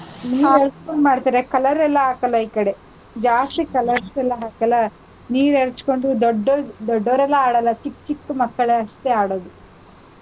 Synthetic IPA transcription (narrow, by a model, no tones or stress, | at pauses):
niːɾeɾt͡ʃkoɳɖmaːɽt̪aːɾekɐlɐɾɛlːɐɦaːkɐlːɐiːkɐɽe̞ | d͡ʒaːst̪ikɐlɐɾsɛlːɐɦaːkɐlːɐ | niːɾeɾt͡ʃko̞ɳɖud̪ɔɖːod̪ɔɖːoːɾɛlːɐaːɽɐlːɐt͡ʃikːt͡ʃikːmɐkːɐɭeɐʂt̪eaːɽoːd̪u